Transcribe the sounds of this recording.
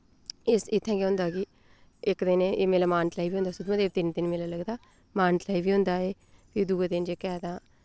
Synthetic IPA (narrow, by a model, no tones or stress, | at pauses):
ɪsɪt̪ʰːɛ̃ːkɛːɦʊ̃nd̪aːkɪ | ɪkd̪ɪnːmeːlaːmaːnʈlaːiːʋiːʊ̃nd̪aːsʊd̪məd̪eːb̚t̪ɪnt̪ɪnmeːlaːləɡd̪aː | maːnʈlaːiʋiːɦʊ̃nd̪aːeː | pʰɪɾd̪uːeːd̪ɪnd͡ʒeːkɛːd̪ãː